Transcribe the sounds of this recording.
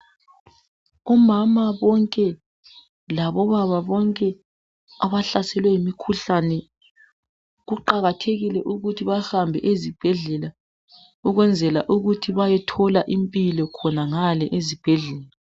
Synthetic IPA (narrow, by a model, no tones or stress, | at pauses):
ɔmamaβɔŋkʼɛ | laβɔβaβaβɔŋkʼɛ | aβaɬasɛlwɛimikʰuɬanɛ | ɣuǃaɣatʰeɣilɛʔuɣutʰiβahambʱɛ̰ʔezib̥ʱɛɮɛla | uɣwɛnd͡zʱɛlaʔuɣutʰiβajɛtʰɔlaʔimpʼilɔkʰɔnaŋalɛʔezib̥ʱɛɮɛːla